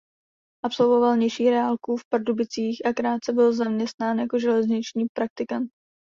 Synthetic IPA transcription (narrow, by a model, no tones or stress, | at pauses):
ʔapso̞lvo̞valɲɛʃiːɾɛalkufpaɾdubɪt͡siːxʔakɾaːt̪̚t͡sɛbɪlzamɲɛst̪naːnjako̞ʒɛlɛzɲɪt͡ʃɲiːpɾak̚t̪ɪkant̪̚